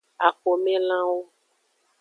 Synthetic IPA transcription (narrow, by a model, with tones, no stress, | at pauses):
a˨ko˨mẽ˦lã˦wo˦